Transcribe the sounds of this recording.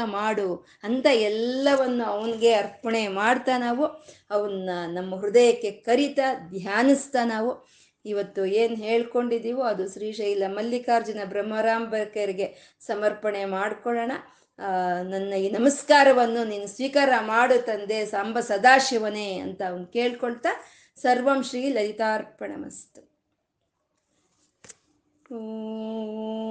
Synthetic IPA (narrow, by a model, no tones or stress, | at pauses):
maːɽu | ɐnt̪ɐɛlːɐʋɐnːuɐʋɐniɡe̞ɐɾpɐɳemaːɽt̪anaːʋu | ɐʋɐnːɐnɐmːɐɦɾud̪ɐjɐkːe̞kɐɾit̪ɐd̪ʱjaːnist̪ɐnaːʋu | iʋɐt̪ːueːnɦe̞ːɭko̞ɳɖid̪iːʋuɐd̪uʃɾiːʂɐjilːɐmɐlːikaːɾd͡ʒɐnɐbɾɐmːɐɾaːmbɐkɐɾiɡe̞ | sɐmɐɾpɐɳe̞maːɽkɔɭɐɳɐ | nɐnːɐiːnɐmɐskaːɾɐʋɐnːuniːnusʋiːkaːɾɐmaːɽut̪ːɐnd̪e̞sɐmbʱɐsɐd̪aːʃiʋɐneːɐ̰nt̪ɐːʋɐnd̪ke̞ːɭkoɭt̪a | sɐɾʋɐmʃɾiilːɐɾit̪aːɾpɐɳɐ̰mɐ̰st̪u̥ | o